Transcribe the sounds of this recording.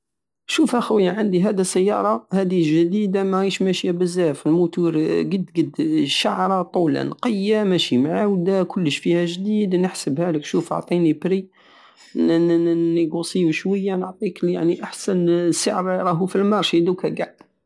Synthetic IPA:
ʃufʔæxæwjæʕand̪iɦæd̪isæjːɑɾˤɑhæd̪iʒd̪id̪amæiʃmæʃijæbəzːæfəlmut̪uɾɡəd̪ɡəd̪ʃaʕɾˤɑt̪ˤula̰nqəjːamæʃimʕawd̪ækʰʊlːəʃfihæʒd̪id̪nəħsəbhæləkʃufo̰ʕt̪ˤinibɾi | nnəɡusiuʃwəjːanəʕt̪ˤiklja̰ʕniʔaħsænsəʕɾɾˤɑɦufilmɑɾˤʃid̪ukæɡaʕ

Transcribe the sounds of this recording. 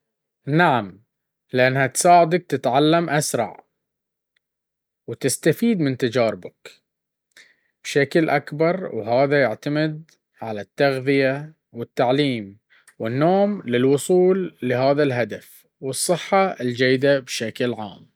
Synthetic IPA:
naʕam | lɪʔanːhat̪saːʕɪd̪ak̚t̪ɪt̪ʕalːamʔasɾˤɑ̰ʕ | wt̪ɪst̪afiːd̪mɪnt̪ad͡ʒaːɾɪbak | b̥ʃaklʔakbɑɾˤwɦaːðajaʕt̪amɪd̪̚ | ʕalat̪ːaɣðɪja | wɪt̪ːaʕliːm | wɪnːoːmlɪlwʊsˤuːlːɪɦaːðalɦad̪af | wɨsˤːɨħːɑɪld͡ʒajːɪd̪abʃaklʕa̰ːm

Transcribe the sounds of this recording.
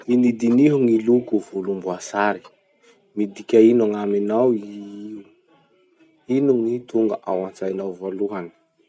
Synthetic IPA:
inid̪iniɦuŋilukuvulumbuasaɾi̥ | mid̪ikʲainuŋaminawi | inuŋit̪uŋɡaʔawant͡sajnawvoluɦanə̥

